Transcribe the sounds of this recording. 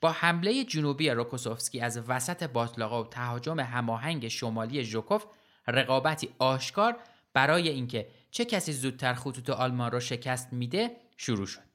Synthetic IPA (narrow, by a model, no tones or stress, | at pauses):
b̥ɒːhæmle̞jed͡ʒunuːbijeɾo̞kʰoso̞fskʲiːæzvæsæt̪ʰe̞bɒːt̪ʰlɒːɣeot̪ʰæɦɒːd͡ʒo̞me̞ɦæmɒːɦæŋɟe̞ʃo̞mɒːlie̞ʒokʰo̞f | reɣɒːbæt̪ʰiːɒːʃkʰɒːɾ | b̥æɾɒːje̞iːŋcʰe̞ | t͡ʃʰe̞cʰæsiːzuːd̪̥̚t̪ʰæɾxut̪ʰuːt̪ʰeʔɒːlmɒnrɒːʃe̞cʰæst̪miːd̪e̞ | ʃuɾuːʃo̞̥d̪̥̚